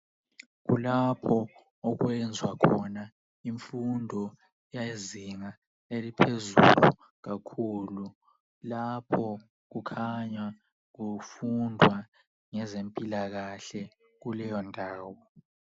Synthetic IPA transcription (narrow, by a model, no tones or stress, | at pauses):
ɣṵlapʰɔ | ɔɣwɛnd͡zʱwakʰɔna | iɱfundʱɔ | jaiziŋa | elipʰezṵlṵ | ɣakʰulu | lapʰɔ | ɣukʰaɲa | ɣufundʱwa | ŋɛzempʼilaɣaɬɛ | ɣulɛjɔndʱaːwɔ